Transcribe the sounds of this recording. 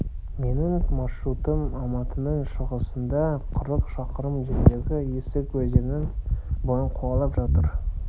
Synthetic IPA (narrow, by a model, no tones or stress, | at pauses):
me̞nɪŋmɑʃɾut̪əmɑmɑt̪ʰənəɴʃəʁəsənd̪ɑqʰʊɾəqʃɑqəɾəmʒeɾd̪eɡʲɪjesɪkwɵzɪnɪŋbojəɴqʰuɑlˠɑpʒɑt̪əɾ